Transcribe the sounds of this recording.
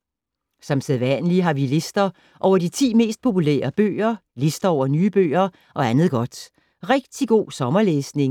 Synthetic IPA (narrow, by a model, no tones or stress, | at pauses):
sɒ̽mseðˠʋænəliɦɑ̈ʋile̝sd̥ɐ | ʔɒʊ̰ɐd̥it͡sʰḭːme̝̰ːsd̥̚pʰo̝pulḛːɐb̥ø̰ːɐle̝sd̥ɐɒʊ̰ɐnyːb̥ø̰ːɐ | ʔɒ̽ænð̞̩ˠɡ̥ɒ̽d̥ | ʁɛɡ̥̚d̥iɡ̥o̝̰ːsɒ̽mɐleːsne̝ŋ